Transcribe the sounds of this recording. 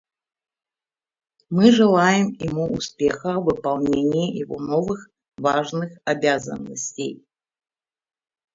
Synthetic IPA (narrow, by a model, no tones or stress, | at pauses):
mɨʐɨlˠajɪmjɪmuʊspʲexəvɨpalˠnʲenʲɪjijɪvo̰novɨx | vaʐnɨxabʲazə̰nːəsʲtʲej